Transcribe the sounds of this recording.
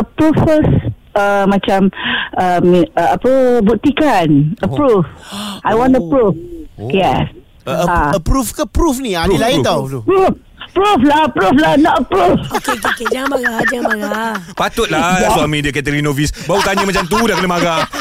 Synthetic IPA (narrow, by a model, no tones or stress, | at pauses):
əpɾufəs | əmat͡ʃãməmiəapəbut̪ikanəpɾufajwɔ̃nəpɾufjɛs | əaəpɾufkəpɾufniadilait̪auf | əpɾuflaəpɾuflanɔtəpɾufkekeked͡ʒaŋbaɡad͡ʒaŋbaɡapat̪ʊt̪̚lasualmediakɛt̪əɾinovisbaut̪aɲəmat͡ʃamt̪̬udahkənəmaɡa